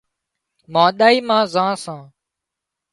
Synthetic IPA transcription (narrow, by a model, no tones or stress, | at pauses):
mãːɗ̪aːiːmãːzãːsãː